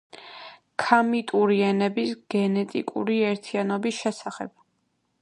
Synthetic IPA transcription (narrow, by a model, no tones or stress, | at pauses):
kʰamit̪ʼuɾiɛnɛbisɡ̥ɛnɛt̪ʼḭkʼṵɾiɛɾt̪ʰianɔbisʃɛsaχɛb̥̚